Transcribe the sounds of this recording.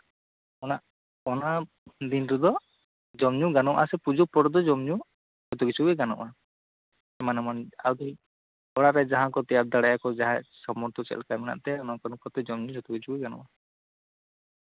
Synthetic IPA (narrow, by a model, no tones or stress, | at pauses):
ɔnaʔ | ɔna | d̪inɾɛd̪ɔ | d͡ʒɔmɲuɡanɔʔʔasɛpud͡ʒuk̚pɔɽɔd̪ɔd͡ʒɔmɲu | d͡ʒɔt̪uɡit͡ʃʰubɛɡanɔ̰ʔa | ɛmanɛmana̰wd̪i | ɔɽ̃aɾɛd͡ʒaɦãkɔt̪iab̚d̪aɽajakɔd͡ʒaɦasɔmɔɾt̪ɔt͡ʃɛ̰lkamɛna̰ʔt̪ɛanɔkanũkɔt̪ɛd͡ʒɔmɲud͡ʒɔt̪ɔɡit͡ʃʰubɛɡanɔ̰ʔa